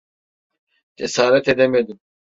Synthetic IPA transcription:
d͡ʒesaːɾɛt̪ʰed̪emed̪im

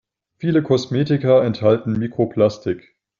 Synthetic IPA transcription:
fiːləkʰɔsmeːtɪkɐɛnthaltn̩miːkʁ̥opʰl̥astɪk

